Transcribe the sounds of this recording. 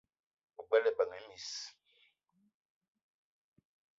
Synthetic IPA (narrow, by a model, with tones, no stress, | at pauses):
u˨k͡pɛ˦lɛ˨ɓa˨ŋe˨˦mi˨s